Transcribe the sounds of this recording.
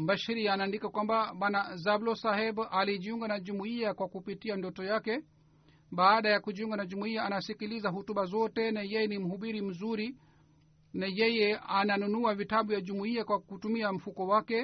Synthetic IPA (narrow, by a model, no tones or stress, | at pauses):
mbaʃiɾiaːnaːndikakwambaɓwanazablɔsahɛbaliʄiuŋɡanaʄumuiakwakupitiandɔtɔjakɛ | ɓaːɗajakuʄiuŋɡanaʄumuiaːnasikilizaɦutuɓazɔtɛnajɛjɛnim̩ɦuɓiɾim̩zuɾi | najɛjɛananunuavitaɓujaʄumuiakwakutumiam̩fukɔwakɛ